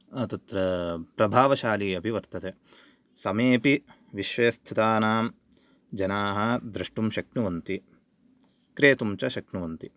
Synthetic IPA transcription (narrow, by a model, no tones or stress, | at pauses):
ɐt̪ɐt̪ɾɐpɾɐbʱaːʋɐʃaːliːɐbʱiʋɐɾt̪ɐt̪e | sɐmeːpi | ʋiʃʋɐjɐst̪ʰit̪aːnaːm | d͡ʒɐnaːɦɐd̪ɾɐʂʈumʃɐknuʋɐnt̪i | kɾeːt̪umt͡ʃɐʃɐkɳuʋɐnt̪i